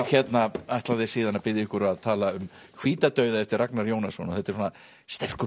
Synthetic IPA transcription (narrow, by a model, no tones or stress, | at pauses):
çɛt̪naajht̪laðɪsiːðanapɪðjɪɪhkʏɾaðt̪ʰaːlaʏm | kʰviːt̪at̪œːɥðaɛft̪ɪɾraknaɾjownasɔnaθɛht̪ɛɾsɔːna | st̪ɛr̥kʏ